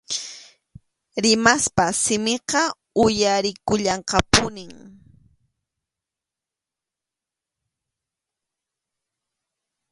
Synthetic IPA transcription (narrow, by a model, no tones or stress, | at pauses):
ɾɪmaspasɪmeqɑ | ʊjaɾɪkʊʎɑɴqɑpʊnɪŋ